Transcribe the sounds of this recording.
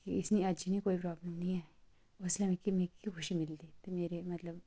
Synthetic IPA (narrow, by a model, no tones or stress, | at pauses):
kiɪsniɐd͡ʒinĩkoːipɾaːbləmnɐĩɛ | ʊslɐmẽkimẽːkixʰʊʃimɪld̪it̪omeːɾemɐt̪ləb